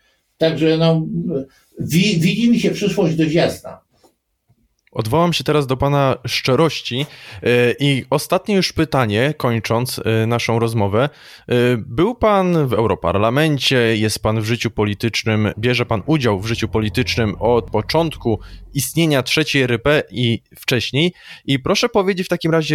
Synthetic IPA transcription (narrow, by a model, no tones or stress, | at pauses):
t̪aɡʐɛnɔ | vʲivʲid͡ʑimɕɛpʂɘʂwɔʑd͡ʑd̪ɔvʲjazd̪a̰ | ɔd̪vɔwamɕɛt̪ɛɾazd̪ɔpanaʂt͡ʂɛɾɔɕt͡ɕi | ʔiɔst̪at̪ɲɛjuʂpɘt̪aɲɛkɔɲt͡ʂɔnt̪snaʂɔ̃w̃ɾɔzmɔvɛ | bɘwpanvɛwɾɔpa̰ɾlamɛɲt͡ɕɛjɛst̪̚panvʐɘt͡ɕupɔlʲit̪ɘt͡ʂnɘmbʲjɛʐɛpanud͡ʑawvʐɘt͡ɕupɔlʲit̪ɘt͡ʂnɘmɔt̪̚pɔt͡ʂɔnt̪kuist̪ɲeɲatʂɛt͡ɕejɾɛpɛi | ft͡ʂɛɕɲejipɾɔʂɛpɔvʲjed͡ʑet͡ɕft̪akʲimɾaʑɛ